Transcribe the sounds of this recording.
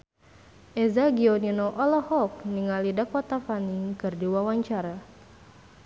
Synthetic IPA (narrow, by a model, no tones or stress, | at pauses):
ʔɛzaɡiɔninoʔɔlɔhɔk̚niŋalidakwat̪afanikɨrdiwawaɲt͡ʃaɾa